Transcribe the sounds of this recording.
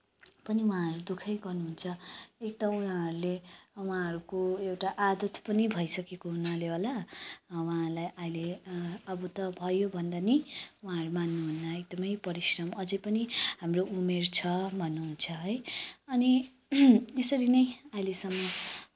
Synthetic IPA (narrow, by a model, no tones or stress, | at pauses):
pʌniw̃ãɦʌɾud̪ukʰʌjɡʌrnuɦunt͡sʰʌek̚t̪auɦãɦʌɾulewãɦʌɾukoewʈaʔad̪ʌt̪ʰpʌnibʱʌjsʌkekoɦunʌleɦolawãlajʔajileʌbʌt̪ʌbʱʌjobʱʌnd̪aniwãɦʌɾumanːuɦunːaek̚d̪ʌmʌjpʌɾisrʌmʌd͡zʌjpʌniɦamroumert͡sʰʌbʱʌnːuɦunt͡sʰʌɦʌjʌni | esʌɾinʌjailesʌmːʌ